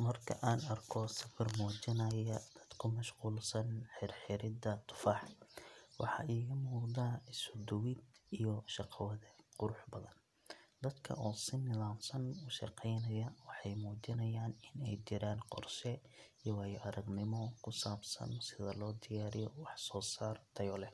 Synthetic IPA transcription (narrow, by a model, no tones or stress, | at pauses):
mɐrkʰɐ̰ʔaːnɐrkʰɔsɐfɪrmɔːt͡ʃɪnɐjɐd̪̥ɐd̪̥kʰʊmɐʃquːlsɐnħɪrħɪɾɪd̪ɐt̪ʰʊ̥faːħ | wɑ̰ħɑ̰ʔiːɣɐmuːd̪aːɪsʊd̪ʊwɪd̪ijɔʃɑqʰwɐðɛqʊɾʊħbɐðɐn | d̪ɐd̪kʰɐ̰ʔɔːsɪnɪðaːfsɐnʊʃɑ̰qɛjnɐjɐwɑħɑjmuːt͡ʃɪnɐjaːnɪnɛjt͡ʃɪɾaːnqɔ̰rʃɛ | ijwɑːjɔʔɐɾɐɡnɪmɔkʰʊsaːbsɐ̰nsɪðɐlɔːd̪ɪjaːɾɪjɔwɑħsɔːsaːrt̪ʰɐjɔlɛ